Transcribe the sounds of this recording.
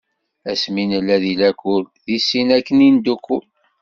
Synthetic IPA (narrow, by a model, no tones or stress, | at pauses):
æsminəlːæðilækulðisːinækːənind̪ukːul